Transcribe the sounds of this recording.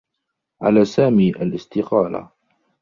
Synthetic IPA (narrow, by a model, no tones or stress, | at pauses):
ʕa̰laːsaːmiːʔalʔɪst̪ɪqɑːla̰